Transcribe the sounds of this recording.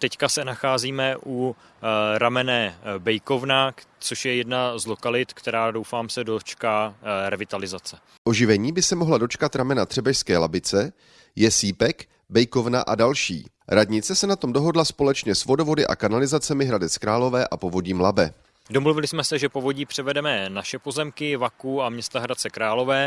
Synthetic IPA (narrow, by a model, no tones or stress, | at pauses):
t̪ɛckasɛnaxaːziːmɛʔu | ɾamɛnɛbɛjko̞vnat͡soʃjɛjɛdnazlokalɪt̪kt̪ɛɾaːdowfaːmsɛdot͡ʃkaːɾɛvɪt̪alɪzat͡sɛ | ʔo̞ʒɪvɛɲiːbɪsɛmo̞ɦlado̞t͡ʃkat̪ɾamɛnat̪r̥ɛbɛʃskɛːlabɪt͡sɛ | jɛsiːpɛk | bɛjko̞vna̰ʔa̰dalʃḭː | ɾadɲɪt͡sɛsɛnat̪o̞mdo̞ɦo̞dlaspo̞lɛt͡ʃɲɛsvo̞do̞vo̞dɪʔa̰kanalɪzat͡sɛmɪɦɾadɛt͡skɾaːlo̞vɛːʔapo̞vo̞ɟiːmlabɛ | domluvɪlɪsmɛsɛʒɛpovo̞ɟiːpr̥ɛvɛdɛmɛnaʃɛpozɛmkɪvakuamɲɛst̪aɦɾat͡sɛkɾaːlo̞vɛː